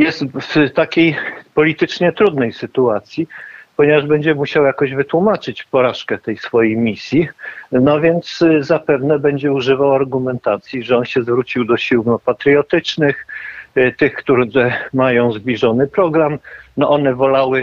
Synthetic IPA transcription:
jɛst̪ft̪akʲejpɔlʲit̪ɘt͡ʂɲɛt̪ɾud̪nɛjsɘt̪uat̪sʲjipɔɲɛvaʐbɛɲd͡ʑɛmuɕawjakɔʑvɘt̪wumat͡ʂɘt͡ɕpɔɾaʂkɛt̪ɛjsfɔjejmʲisʲjinɔvʲjɛnt̪szapɛvnɛbɛɲd͡ʑɛuʐɘvawaɾɡumɛnt̪at̪sʲjiʐɛɔnɕɛzvɾut͡ɕiwd̪ɔɕiwnɔpat̪ɾjɔt̪ɘt͡ʂnɘx | t̪ɘxkt̪uɛmajɔ̃w̃zbʲlʲiʐɔnɘpɾɔɡɾamnɔʔɔnɛvɔlawɘ

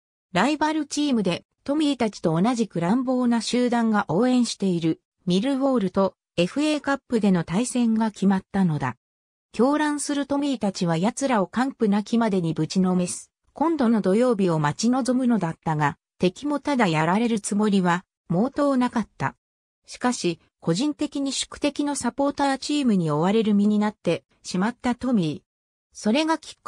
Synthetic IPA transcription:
ɾaibaɾɯ̟t͡ɕiːmɯ̟d̪e̞ | t̪o̞mʲiɾʲit̪at͡ɕi̥t̪o̞ːnaʑikɯ̟ɾãmbo̞ːnaɕɨːd̪ãŋɡaʔo̞ːẽ̞ɰ̃ɕi̥t̪e̞iɾɯ̟ | mʲiɾɯ̟βo̞ːɾɯ̟t̪o̞ | e̞ɸɯ̟e̞ːkapːɯ̟d̪e̞no̞t̪aisẽ̞ŋɡakʲimat̪ːano̞d̪a̰ | kʲo̞ːɾãɰ̃sɨɾɯ̟t̪o̞mʲiɾʲit̪at͡ɕiβ̞ajat͡sɨɾao̞kãmpɯ̟nakʲimad̪e̞ɲ̟ibɯ̟t͡ɕino̞me̞sɨ̥ | kõ̞nd̪o̞no̞d̪o̞jo̞ːbʲio̞mat͡ɕino̞zo̞mɯ̟no̞d̪at̪ːaɡa | t̪e̞kʲimo̞t̪ad̪ajaɾaɾe̞ɾɯ̟t͡sɨmo̞ɾʲiβa | mo̞ːt̪o̞ːnakat̪ːa̰ | ɕi̥kaɕi | kʰo̞ʑĩnt̪e̞kʲiɲ̟iɕɨ̥kɯ̟̥t̪e̞kʲino̞sapo̞ːt̪aːt͡ɕiːmɯ̟ɲ̟io̞βaɾe̞ɾɯ̟mʲiɲ̟inat̪ːe̞ | ɕimat̪ːat̪o̞mʲi | so̞ɾe̞ɡakʲi̥

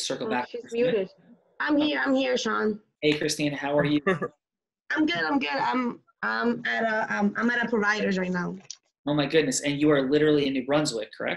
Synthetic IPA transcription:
sɜ˞kl̩ˠbæizmjʉɾɪ | ãɪ̃mhiɹãɪ̃mhiɹʃɑn | eɪkʰɹ̥ɨstĩnɨhaʊə˞jɨ | ãɪ̃mɡʊdãɪ̃mɡʊdãɪ̃m | ʌ̃ɪ̃mɨɾəʔʌ̃mã̰ɪ̃mɨɾɨpʰɹ̥ɨvaɪɾə˞zɹaɪtⁿnaʊ | oʊmaɪɡʊdⁿnɨsɨ̃njɨə˞lɪɾə˞l̩ˠiɨ̃nɨt̚ɹʌ̃nzwðɨkʰə̰˞ɛ̰k̚t̚

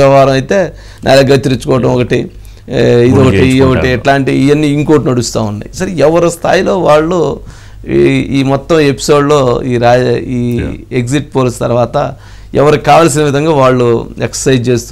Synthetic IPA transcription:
ɐʋaːɾɐmɐjt̪e̞ː | nʔa̰ːleɡɐt̪iɾit͡ʃːukɔːʋɐʈɐmɔkɐʈi | id̪ɔkɐiɔkɐʈiʈlaːɳʈijɐnːiiŋkoːʈnɐɽust̪aːunːɐ̰jisɐɾɛʋɐɾoːst̪ʰa̰ːjilo̞ːʋaːɭːu | iːmɔt̪ːɐme̞pi̥so̞ːɖlo̞ːiːɾaːiːeɡsiʈ̚poːlist̪ɐɾʋaːt̪ɐ | ɛʋɐɾukaːʋaːls̬inɐʋid̪ʱɐŋɡaːʋaːɭːueksɐ̥sɐjt͡ʃe̞ːst̪u

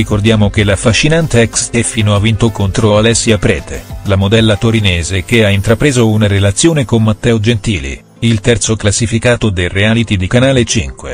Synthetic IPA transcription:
rikord̪jaːmok̟elːafaʃːinant̪eɛksɛfːiːnoavːint̪okont̪ɾoalɛsːiapɾɛːt̪ḛlamod̪ɛlːat̪oɾinɛːzek̟eaint̪ɾapɾeːzounaɾelat̪sːjoːnekommat̪ːɛːod͡ʒent̪iːlḭ | ilt̪ɛrt̪soklasːifikaːt̪od̪ereaːlit̪id̪ikanaːlet͡ʃiŋkwḛ

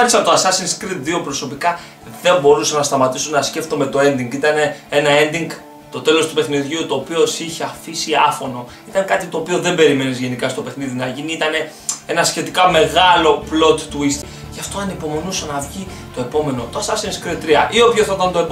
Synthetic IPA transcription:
ɐɾisɐt̪oɐsɐsinskɾit̪ðio̞pɾo̞so̞pikɐ | ðe̞mbo̞ɾusɐnɐst̪ɐmɐt̪isunɐsce̞ft̪ome̞t̪o̞e̞nd̪iŋɡit̪ɐne̞enɐe̞nd̪iŋɡ | t̪o̞t̪e̞lo̞st̪u̥pe̞xniðʝiut̪o̞ːpio̞siçeɐfisiɐfo̞no̞ | it̪ɐnkɐt̪it̪o̞ːpio̞ðe̞mbe̞ɾime̞nizʝe̞nikɐst̪o̞pe̞xniðinɐʝiniit̪ɐne̞ | e̞nɐsçe̞t̪ikɐme̞ɣɐlo̞plo̞t̪ːuist̪i | ʝɐft̪o̞ɐnipo̞mo̞nusɐnɐvʝi | t̪o̞e̞po̞me̞no̞t̪oɐsɐsinskɾit̪̚t̪ɾiɐʔio̞pçoθɐt̪ɐnt̪oe̞p

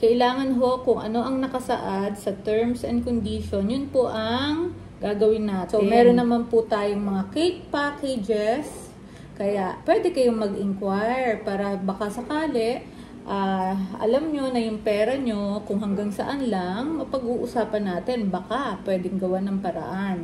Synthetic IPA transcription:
kɐʔɪlaːŋɐnɦo̞kʊŋʔɐ̰no̞ʔɐŋnɐkɐsɐ̰ʔad̪̚sɐt̪ɛɹmsʔɛn̚kond̪iʃo̞njʊnpoʔɐŋ | ɡaːɡɐwɪnːaːt̪omɛːɾonːɐmanpʊt̪aːjoŋmɐŋakejt̪̚paːkɛd͡ʒɛs | kɐjaʔpwɛːd̪ɛkɐjomɐɡʔɪŋkwajɹpaːɾɐbɐkasɐkaːlɛʔ | ʔaːʔɐ̰lamɲo̞nɐjʊŋpɛːɾɐɲo̞kʊŋɦɐŋɡaŋsɐʔanlɐŋmɐpɐɡuːʔʊsaːpɐnːaːt̪ɛnbɐkapwɛːd̪ɛŋɡɐwanɐŋpɐɾɐ̰ʔan

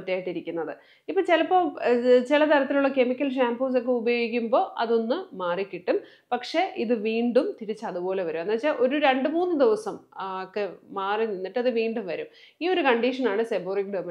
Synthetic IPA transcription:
ʈːijaːjiʈːiɾikʲːunːɐðɨ | ipːoːt͡ɕilɐpːoːt͡ɕilɐt̪ɐɾɐt̪ːiluɭːɐke̞mikʲːɐlʂ̬aːmpoːs̬okːeubɐjo̞ːɡikʲːumbo̞ːʔɐ̰ðo̞nːɨmaːrikʲːiʈːum | pɐkʂeʔiðɨʋiːɳɖumt̪iɾit͡ɕːɐɐðubo̞ːle̞ʋɐɾumenːɐt͡ɕːaʔo̞ɾuɾe̞ɳɖɨmuːnːɨd̪iʋɐsɐmkːemaːrininːiʈːɐðɨʋiːɳɖumʋɐɾum | iːo̞ɾukɐɳɖiʂɐnaːɳɨseboːrikɖemɐ

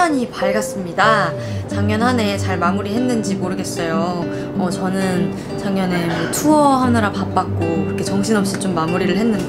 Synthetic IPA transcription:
aɲipaɭɡas͈ɯmɲida | t͡ɕaŋɲʌnɦane̞t͡ɕaɭmamuɾiɦe̞nːɯnd͡ʑimoɾɯɡe̞s͈ʌjo | ʌt͡ɕʌnɯn | t͡ɕaŋɲʌne̞mʌtʰuʌɦamnaɾapap͈ak̚k͈okɯɾʌkʰe̞t͡ɕʌŋɕʰinʌp̚ɕ͈it͡ɕomːamuɾiɾɯɭɦe̞nːɯn

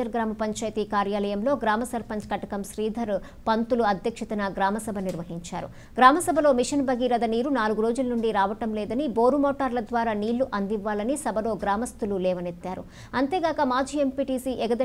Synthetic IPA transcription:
ɐɾɡɾaːmɐpɐɲt͡ʃaːjt̪iːkaːɾjaːlɐjɐmlo̞ːɡɾaːmɐsɐɾpɐnskɐʈɐkɐmʃɾiːd̪ʱɐɾ | pɐnt̪uluɐd̪ʱjɐkʂɐt̪ɐnɐɡɾaːmɐsɐbʱɐniɾʋɐɦiɲt͡ʃa̰ːɾṵ | ɡɾaːmɐsɐbʱɐlo̞ːmiʂɐnbɐɡiɾɐd̪ɐniːɾunaːluɡuɾo̞ːd͡ʒulɐnuɳɖiɾaːʋɐʈɐmlɛːd̪ɐniboːɾumoːʈaːɾlɐd̪ʋaːɾaːniːɭːuʔɐnd̪iʋːaːlɐnisɐbʱɐlo̞ːɡɾaːmɐst̪ululɛːʋɐnet̪ːaːɾṵ | ɐnt̪eːɡaːkɐmaːd͡ʒiːempiːʈiːsiːʔɛɡɐd̪ɐ

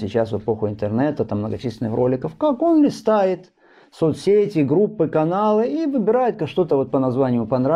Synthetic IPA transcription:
sʲɪt͡ɕasvɨpo̞xʊɪnt̪ɨrnɛt̪ət̪amːnəɡɐt͡ɕisʲlʲɪnːɨxrʔo̞lʲɪkəfkako̞nlʲɪst̪ajɪt̪ | so̞t̪sʲeɛtʲɪɡɾupːɨkɐnalˠɨivɨbʲɪɾajɪt̪̚kaʂt̪o̞t̪əvo̞t̪pənɐzvanʲɪjʊpɐnɾa

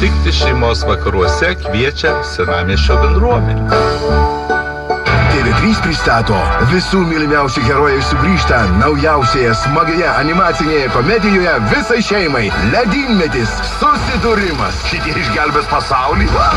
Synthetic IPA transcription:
t̪ʲɪkt̪ʲɪʃʲɛɪmoːsʋɐkɐɾuɔsʲɛkʋʲiɛt͡ʃʲɛsʲɪɾɑːmʲeːʃoːbʲɛnd̪ɾuɔmʲɛnʲu | d̪ʲeːɡʲɪt̪ʲɾʲiːspʲɾʲɪst̪ɑːt̪o̰ːʋʲɪsuːmʲɪlʲɪmʲɛˑʊsʲɛɡʲɛɾoːjɛɪʃʲsʲʊɡɾʲiːʃt̪ɐnɐʊjɛʊsʲeːjɛsmɐɡʲejɛʔɐnʲɪmɑːt̪sʲɪnʲejɛkomʲɛd̪ʲɪjoːjɛʋʲɪsɐɪʃʲɛɪmɐɪlʲɛd̪ʲiːnʲmʲɛt̪ʲis | sʊsʲɪd̪ʊɾʲɪmɐsʃʲɪt̪ʲiɛɪʒʲɡʲælʲbʲɛspɐsɑˑʊlʲiːɐ

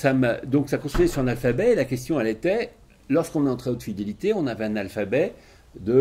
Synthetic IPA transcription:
samd̪ɔ̃ksakɔ̃st̪ijɛsyʁɛ̃nalfabɛelakʲɛst̪jɔ̃ɛlet̪ɛ | lɔʁskɔ̃nɛɑ̃t̪χɛot̪fid̪elit̪eɔ̃navɛɛ̃nalfabɛ | d̪ə

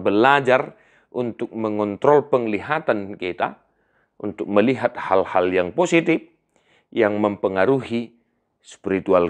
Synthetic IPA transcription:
bəlad͡ʒar | ʔunt̪ʊk̚məŋɔnt̪ɾɔlpəŋliɦat̪ankit̪a̰ | unt̪ʊk̚məliɦat̪̚halhaljaŋposit̪if | jaŋməmpəŋaɾuɦi | spiɾit̪ual

